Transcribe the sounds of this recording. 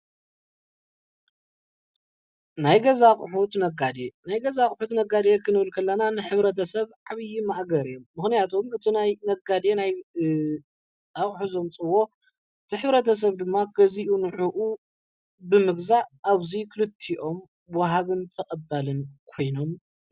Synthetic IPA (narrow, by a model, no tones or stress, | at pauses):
najɡɐzaχʼħut̪nɐɡad̪enajɡɐzaχʼħut̪nɐɡad̪ekʰɨnɨβɨlkʰɐlːɐnanɨħɨβɾɐt̪ʰɐsɐβʕaβɨjimaʔɡɐɾijomːɨxnijat̪ʰomɨt̪ʰinajnɐɡad̪enaj | aχʼħuzo̞mt͡sʼɨwo̞ | ʔɨt̪ʰiħɨβɾɐt̪ʰɐs̬ɐβd̪ɨmːaɡɐziʔunɨħuʔu | bɨmɨɡzaːβzikʰɨlɨt̪ʰːiʔo̞m | wɔɦaβɨnt̪ʰɐkʼɐbːalɨnkʰo̞jno̞m